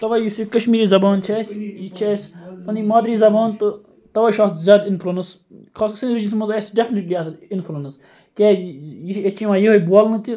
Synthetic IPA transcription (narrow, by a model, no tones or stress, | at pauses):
t̪ɐʋaːjisikɐʃmiːɾiːzɐbaːnt͡ʃʰɛːsʲjit͡ʃʰɛːsʲpɐnimaːd̪ɾiːzɐbaːnt̪ɨ | t̪ɐʋaːʃaːt̪zʲjaːd̪inpʰɾunɐs | kʰaːskɐsɐnɾit͡ʃismɐzaːsʲɖefʰneʈliaːt̪ʰlinfʰɾunɐs | kʲeːjiset͡ʃʰimãːjeɦojbuaːlnɨt̪ʲi